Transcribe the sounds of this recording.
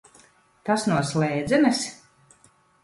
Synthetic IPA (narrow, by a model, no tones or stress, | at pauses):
t̪asnuɔslˠɛːd̪zɛnɨs